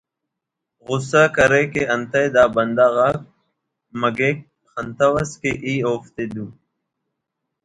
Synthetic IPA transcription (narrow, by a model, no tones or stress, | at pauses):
ɣʊsakɐɾekeɐnt̪ɐjd̪aːbɐnd̪aːɣak̚ | mɐɡek̚ | xɐnt̪ɐwɐskeʔiːoːft̪ed̪uː